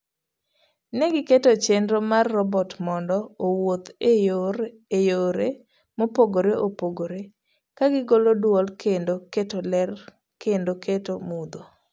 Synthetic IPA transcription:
nɛɡɪketot͡ʃendɾomarːɔbɔtmɔndɔowot̪ɾ | ejoɾe | mopoɡoɾeʔopoɡoɾe | kaɡɪɡolodwɔlkendoketolɛr | kendokʰetomud̪o

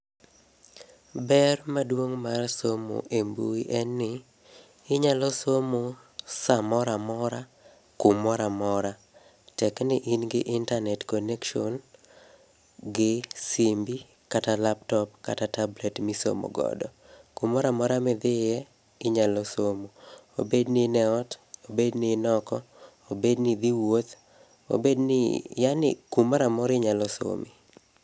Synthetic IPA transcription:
bɛrmadwoŋmarsomo̰ʔembuiʔɛnːɪ | ɪɲalɔsomo | samɔɾamɔɾa | kumɔɾamɔɾa | tɛknɪʔinɡɪʔɪntanɛtkɔnɛkʃon | ɡɪsimbi | katalap̚tɔpkatatablɛtmiso̰mo̰ɡɔ̰dɔ | kumɔɾamɔɾamɛd̪ɪjɛ | ɪɲalɔsomoo̰bednɪnɛɔtobednɪnɔkɔ | obednɪd̪iwot̪ | o̰bednɪ̰janɪ̰kumɔɾamɔɾɪɲalɔso̰mi

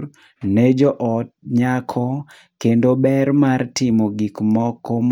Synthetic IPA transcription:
nɛd͡ʒɔʔɔt̚ɲakʰɔ | kendobɛɾmartɪmoɡikmɔkɔm

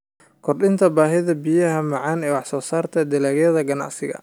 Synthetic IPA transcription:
kʰɔrɗɪnt̪ʰɐbaːɦɪðɐbijɐɦɐmɑʕɑːnɛːwɑħsɔːsaːrt̪ʰɐd̪ɪlaːɣjɐðɐɡɐnɑ̰ʕsɪɣɐ̰

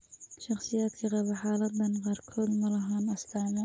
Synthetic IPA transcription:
ʃɑχsɪjaːd̪kʰɐqɑβɐħaːlɐd̪ːɐnqɑrkʰɔːd̪mɐlɐɦaːnɐst̪ʰaːmɛ

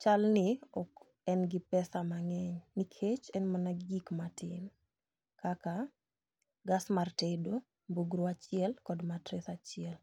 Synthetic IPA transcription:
t͡ʃalnɪɔk | ɛnɡɪpɛsamaŋɛɲnikʰet͡ʃɛnmanaɡɡikmatɪn | kaka | ɡasmartedo | mboɡɾoat͡ʃɪɛlkɔdmatɾɪsat͡ʃɪɛl

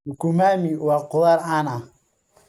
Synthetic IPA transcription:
ukumamiwaquðaɾana

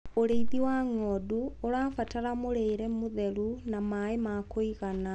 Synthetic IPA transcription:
oɾeiðiwaŋɔːduoɾaːfataɾamoɾeːɾɛmoðɛɾunamaːemakoiɣana

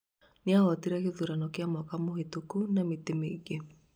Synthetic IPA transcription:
nɪaɔtiɾakɪðuɾanɔkɪamɔkamohetokunamɪt̪ɪmeɡe

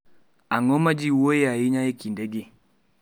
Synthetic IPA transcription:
aŋɔmad͡ʒiwoeaiɲaekindeɡi

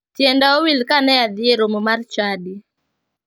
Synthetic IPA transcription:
tjɛndaowilkanɛad̪ɪeɾomomart͡ʃadi

